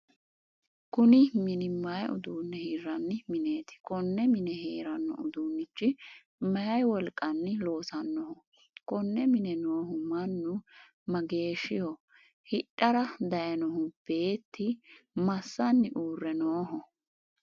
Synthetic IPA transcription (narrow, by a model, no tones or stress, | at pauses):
kʊnɪmɪnɪmɐjʔʊ̰d̪uːnːɛhiɾɐnːɪmɪne̞ːt̪ɪ̥kɔnːɛmɪnɛɦeːɾɐnːɔ̰ʔʊd̪uːnːɪt͡ʃːɪ | mɐjɐjwɔlkʼːɐnːɪlo̞ːsɐnːɔhʊ | kɔnːɛmɪnɛnoːɦʊmɐnːʊ | mɐɡe̞ːʃɪjɔ | hɪɗʼːɐɾɐd̪ɐjɐnɔɦʊb̥e̞ːt̪ːɪmɐsːɐnːɪʔuːrːɛnoːɦɔ